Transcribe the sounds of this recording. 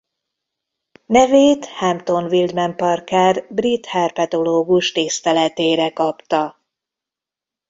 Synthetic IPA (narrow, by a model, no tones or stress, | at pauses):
nɛveːt̪hɛmt̪o̞nvild̪mɛmpɒrkaːrbrit̪hɛrpɛt̪o̞loːɡuʃt̪ist̪ɛlɛt̪eːɾɛkɒpt̪ɒ